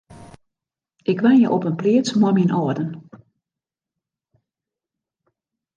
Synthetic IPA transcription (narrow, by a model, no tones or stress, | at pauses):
ʔɪkʋanjəʔopənplɪːt͡smɔminʔɔːdən